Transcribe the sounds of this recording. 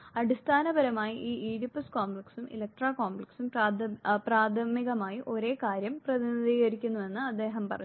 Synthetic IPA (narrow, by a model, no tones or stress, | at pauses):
ɐɽist̪ʰaːnɐbɐɾɐmaːjiʔiːiːɽipːɐskoːmbɭɐksumʔḭlɐkk̚ʈraːkoːmbleksum | praːd̪ʰʱɐmiɣɐmaːjiʔo̞ɾe̞ːkaːɾjɐmprɐðiniðiːɣɐɾikʲːunːuʋe̞nːɨɐd̪ːe̞ːɦɐmpɐrɐ̰ɲː